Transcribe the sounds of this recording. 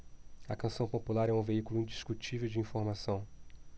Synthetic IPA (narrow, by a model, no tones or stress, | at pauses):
ɐkɐ̃sɐ̃w̃populaɾɛũveikulʊĩd͡ʒiskut͡ʃivewd͡ʒɪĩfoɾmasɐ̃w̃